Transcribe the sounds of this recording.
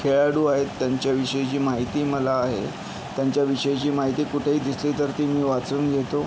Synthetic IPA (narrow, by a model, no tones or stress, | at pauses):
kʰeɭaɽuːaɦet̪ːjaɲt͡ɕjaʋiɕəjt͡ɕiːmaɦit̪iːməlaːɦḛ | t̪jaɲt͡ɕjaʋiɕəjt͡ɕiːmaɦit̪iːkuʈʰeɦiːd̪isliːt̪əɾt̪imiːʋat͡suːnɡʱet̪o